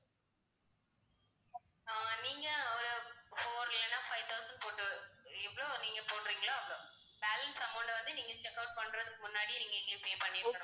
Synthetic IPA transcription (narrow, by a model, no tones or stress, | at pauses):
aːaniːŋɡɐɾɯpoːɾɪlɐnãːfɐɪʋt̪ʰɐʊsɐɳɖ̚poːʈːɯɪʋːɐɭoːniːŋɡɐpoːʈɾiːŋɡɐɭaːɐpːɯɽʊ̃ | b̥aːlɐnsɐmɐʊɳɖʋɐnd̪ɯniːŋɡɐt͡ʃɛkːɐʊʈ̚pɐɳːɾɐðɯkːɯmʊnːaːɽiniːŋɡɐɪɡɐpeːpɐɳːɪɾkːɐnʊ̃